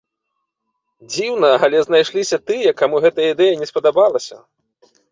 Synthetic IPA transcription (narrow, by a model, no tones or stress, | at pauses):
d͡zʲiwnɐalʲɛznajʂlʲisʲɐt̪ɨjɐkamuɣɛt̪ɐjɐid̪ɛjɐnʲɛspɐd̪abalˠɐsʲɐ̰